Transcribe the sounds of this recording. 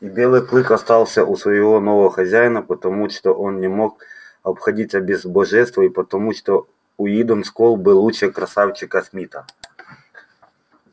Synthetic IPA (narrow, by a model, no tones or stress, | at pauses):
ibʲelˠɨjklˠɨkɐst̪ɑlˠsʲɐʔusʋɐjɪvɔnɔvɐɔxɐzʲæjnɐpɐt̪ɐmuʂt̪ɔʔonnʲɪmok | ɐpxɐdʲitʲɐbʲɪzbɐʐɛst̪vɐipɐt̪ɐmuʂt̪o | ʊjid̪ɔnskɔlˠbɨlˠut͡ɕɛkɾɐsawt͡ʃɪkɐsmʲit̪ɐ